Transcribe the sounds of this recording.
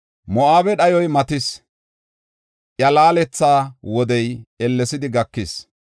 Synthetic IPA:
mɔʔaːbɛɗɐjɔjmɐt̪ɪs | ʔjɐlaːlɛt͡sːaːwɔd̪ɛjɛlːɛsɪd̪ɪɡɐkːɪs

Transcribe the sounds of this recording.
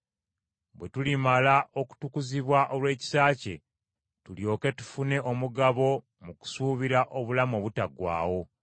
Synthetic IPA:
βwe̞tulimalaʔo̞ku̥tukuziβwaʔolwe̞ːci̥saːce̞̰ | tuljo̞ːke̞tu̥fune̞ʔomuɡaβo̞ | muku̥suːβiɾaʔo̞βulamo̞βutaɡwa̰ːwo̞

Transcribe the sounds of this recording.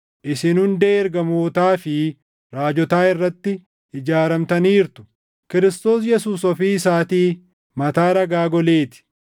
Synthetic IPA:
ʔɪsɪnhʊnd̪eːɛɾɡɐmoːt̪aːfɪ | ɾaːd͡ʒɔt̪aːɪrːɐt̪ːɪ | ɪd͡ʒaːɾɐmt̪ɐniːɾt̪ʊ̥ | kɪɾɪst̪o̞ːs̬jɛsuːsɔfiːɪsaːt̪iː | mɐt̪aːɾɐɡaːɡɔleːt̪ɪ̥

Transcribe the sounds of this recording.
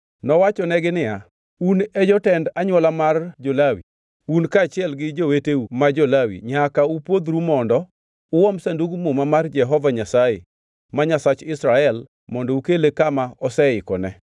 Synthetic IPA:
nɔwat͡ʃɔnɛɡɪnɪja | unɛd͡ʒɔtɛndaɲwɔlamard͡ʒolawḭ | unkaːt͡ʃɪɛlɡɪd͡ʒoweteumad͡ʒɔlawḭɲakaupwod̪ɾumɔndɔ | ʊwɔmsanduɡumomamard͡ʒɛɦɔvaɲasajḛ | maɲasat͡ʃɪsɾaɛl | mɔndɔukelekamaɔsɛɪkɔnɛ

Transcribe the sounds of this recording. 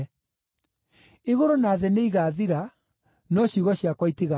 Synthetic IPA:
eɣoɾonaːðeneiɣaːðiɾa | nɔɕjuɣɔɕjakwaiteɣa

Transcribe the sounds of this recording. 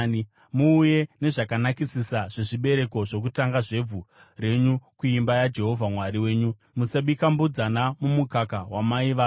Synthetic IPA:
muːje̞ne̞ʐakanakisisaʐ̥e̞ʐiɓe̞ɾe̞ko̞ʐo̞k̬utaŋɡaʐe̞b͡vu | re̞ɲukuimbajad͡ʒe̞ɦo̞vʱamwaɾiwe̞ːɲu | musaɓikambud͡zanamumukakawamaiʋaː

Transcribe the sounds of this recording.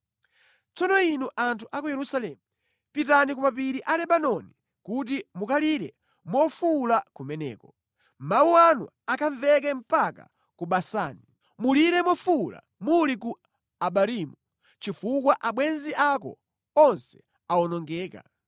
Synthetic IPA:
t͡sɔnɔinuʔantʰuʔakujɛɾusalɛmu | pitanik̬umapiɾiʔalɛɓanɔni | kut̬imukaliɾɛ̰ | mɔfulakumɛnɛ̰ːkɔ | mawuanṵ | akʰaɱvɛk̬ɛm̩paka̰ | kuɓasa̰ːni | muliɾɛmɔfula̰ | muliku | aɓaɾimu | t͡ʃifuk̬waʔaɓwɛnziʔakɔ̰ | ɔnsɛ̥ | aɔnɔŋɡɛːka̰

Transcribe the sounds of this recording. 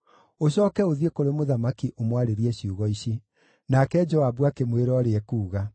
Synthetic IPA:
oɕɔːkɛoðiekoɾemoðamakiʔomwaɾeɾiɛɕiuɣɔiɕi | nakɛd͡ʒɔabwakemweɾɔɾeɛkuːɣa

